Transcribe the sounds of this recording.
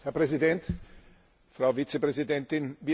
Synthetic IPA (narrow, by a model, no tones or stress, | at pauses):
hɛɐpʁ̥ɛzidɛnt | fʁaʊvit͡sepʁɛzidɛntɪnviː